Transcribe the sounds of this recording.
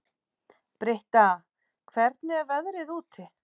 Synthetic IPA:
pɾeht̪a | kʰvɛɾt̪nɪɛvɛðɾɪðuːt̪ʰɪ

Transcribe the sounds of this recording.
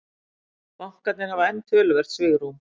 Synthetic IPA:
mawŋ̥kat̪nɪɾhavaɛnːt̪ʰœːlʏvɛr̥t̪svɪːɣɾ̥um

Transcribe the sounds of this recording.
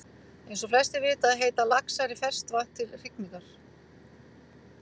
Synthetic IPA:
ejnsɔflɛ̥st̪ɪɾvɪːt̪aːðɦeːjt̪alaksajɾɪfɛr̥st̪vaht̪ːɪlr̥ɪk̚nikaɾ̥

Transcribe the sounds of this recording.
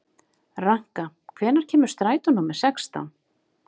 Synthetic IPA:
raŋ̥kakʰvɛːnaɾ̥cʰɛːmʏ̥ɾ̥st̪ɾaːjt̪ɔnːumɛsɛkst̪a̰n

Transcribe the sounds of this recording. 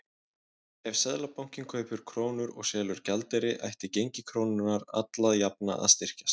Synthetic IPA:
ɛv̥sɛðlapawŋ̥cɪnkʰœːɥpʏɾ̥kʰɾoːwnʏɾɔ̰ɣsɛːlʏɾ̥calt̪ɛɾɪʔa̰jht̪ɪcejɲcɪkʰɾownʏnaɾa̰t̪laðjapna̰ʔa̰ðst̪ɪr̥cast̪

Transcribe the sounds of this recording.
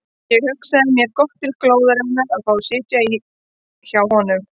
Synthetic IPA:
jɛɣhʏksaðɪmjɛɾ̥kɔht̪ːɪlkloːwðaɾɪmɪnaaðfaːwsɪːt̪jai | çawhɔnʏm

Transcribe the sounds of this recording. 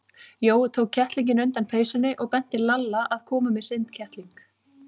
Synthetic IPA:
joːwt̪ʰoːwkʰːɛht̪liɲcɪnœɥnt̪anfeːjsʏnːɪʔɔɣpɛn̥t̪ɪlalːaʔaðkʰɔːmamɛsɪnt̪cʰɛht̪liŋk

